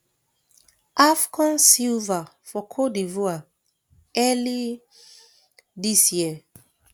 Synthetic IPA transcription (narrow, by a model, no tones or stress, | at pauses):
ʔafkãnsilvafɔkʰodivua | ɛli | disjiə